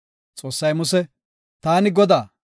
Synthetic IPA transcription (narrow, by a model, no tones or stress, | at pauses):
t͡sʼo̞ːsːɐjmʊsɛ | t̪aːnɪɡɔd̪aː